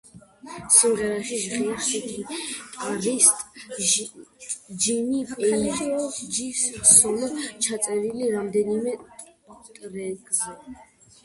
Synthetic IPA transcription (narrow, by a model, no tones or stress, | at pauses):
simʁɛɾaʃiʒʁɛsut̪ʰit̪ʼaɾit̪ʼ | d͡ʒinipʼɛɔd͡ʒifssɔmt͡ʃʰat̪sʼɛɾiliɾamd̪ɛnimɛ | t̪ʼɾɛɡʼzɛ